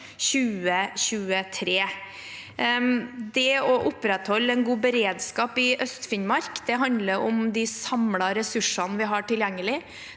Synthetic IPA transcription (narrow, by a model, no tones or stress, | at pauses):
ɕʉːəɕʉːət̪ʰɾeː | d̪ɛɔʔʊpɾɛt̪hɔlːɛnɡuːbəɾeːd̪skɑːpɪʔœst̪fɪnmɑɾkd̪ɛɦɑnd̪ləɾʊmd̪ɪsɑmlɑɾɛsʉʂɑnəʋɪɦɑːʈɪljæŋːəlɪ